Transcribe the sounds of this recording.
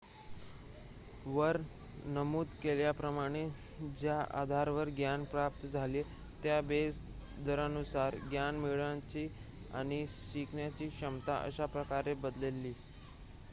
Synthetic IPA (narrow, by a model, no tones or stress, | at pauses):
ʋəɾ | nəmuːt̪keljapɾəmaɽ̃e | d͡ʑjaʔa̰d̪ʱaɾʋəɾɡjanpɾap̚t̪əd͡zʱale | t̪jabes | d̪əɾanusaɾɡjanmiɭat͡ɕiː | a̰ɽ̃iɕikɳjat͡ɕiːkɕəmt̪a̰ʔə̰ɕapɾəkaɾebəd̪lelːiː